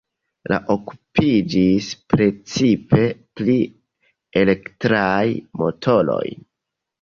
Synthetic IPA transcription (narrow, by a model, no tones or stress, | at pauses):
la̰ʔoku̥pʰid͡ʒispɾe̞t͡sipe̞pli | ele̞ktɾajmo̞̰tʰo̞lo̞̰j